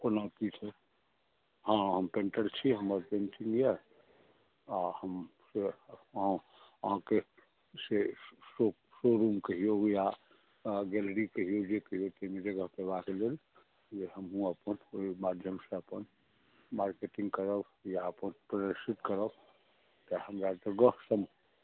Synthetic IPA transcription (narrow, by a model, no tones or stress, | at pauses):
ponapit͡ʃʰe | ɦãɦəmpẽɳʈəɾt͡ʃʰiɦəməɾpenʈɪ̃ŋɡja | ahəmseɦã | ɦãke | seso | soɾumkəɦijoja | ɡɛlɾikəɦijod͡ʒekəɦijot̪əmẽd͡ʒəɡəɦpebakelel | d͡ʒeɦəmɦũəpənoimad̪ʱjəmseəpən | maɾkeʈĩŋɡkəɾəb | jaəpənpɾəd̪əɾsit̪kəɾəb | t̪əhəmɾat̪əɡəsəm